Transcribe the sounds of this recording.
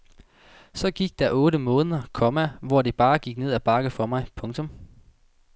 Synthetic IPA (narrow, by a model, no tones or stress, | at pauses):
sɒ̽ɡ̥iɡ̥̚d̥ɑʔɔ̽ːɾəmɔ̽ːnəðˠɐkʰɒ̽mæʋɒd̥eb̥ɑ̈ːɡ̥iɡ̥ne̝ð̞̰ˠæb̥ɑ̈ɡ̥əfɒmɑ̈ɪpʰɔ̽ŋt͡sʰɔ̽m